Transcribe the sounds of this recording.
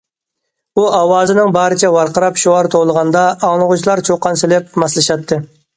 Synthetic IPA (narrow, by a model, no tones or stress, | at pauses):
uɑwɑːzɨnɪŋbɑːɾɨt͡ʃʰɛwɑɾqəɾɑpʃuɑɾt̪ʰowlˠəʁɑnd̪ɑɑŋlˠəʁʊt͡ʃʰlˠɑɾt͡ʃʰoqʰːɑnsɪlɪp̚mɑslˠɨʃɑt̪ʰːɨ